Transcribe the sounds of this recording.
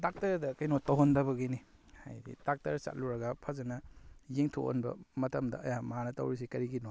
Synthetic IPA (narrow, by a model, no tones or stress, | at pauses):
dak̚tɐɾdɐkajnotɐwɦondɐbɐɡiniha̰jdḭdak̚tɐɾsa̰t̚luɾɐɡɐpʰazɐnɐjeŋtʰo̰o̰nbɐ̰mɐtɐmdɐ̰ɐjamɐɦanɐtɐ̰wɾis̬ikɐɾiɡino